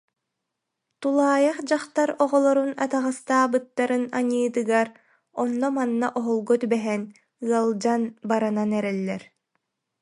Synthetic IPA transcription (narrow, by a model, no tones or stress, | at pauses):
t̪ulˠaːjaχd͡ʑaχt̪aɾɔʁɔlˠɔɾuna̰t̪aʁast̪aːbɯt̪ːaɾɯnaɲɯːt̪ɯɡaɾ | ɔnːɔmanːa̰ʔɔɦɔlˠɡɔt̪ybɛɦɛn | ɯɐlˠd͡ʑanbaɾananɛɾɛlːɛɾ